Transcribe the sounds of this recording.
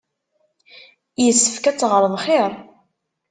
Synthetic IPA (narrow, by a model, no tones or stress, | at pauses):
jəsːəfkæt͡sːʁəɾˤðˤχeɾˤ